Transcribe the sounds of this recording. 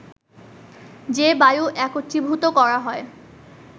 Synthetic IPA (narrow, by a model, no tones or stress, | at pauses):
d͡ʑebajuʔɛkot̪ːibʱut̪okɔɾaɦɔe